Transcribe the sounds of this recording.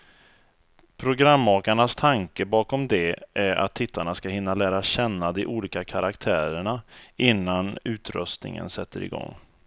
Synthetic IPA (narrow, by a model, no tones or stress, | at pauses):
pʰɾʊɡɾamːɑːkaɳast̪ʰaŋkəbɑːkɔmd̪ɛʔæɾa̰t̪ʰːɪt̪ʰːaɳaskaɦɪnːalæːɾaɕɛnːad̪ɪʔuːliːkakʰaɾakt̪ʰæːɾəɳaɪnːanʉ̟ːt̪ɾœ̰st̪nɪ̰ŋə̰nsɛt̪ʰːəɾɪ̰ɡɔ̰ŋː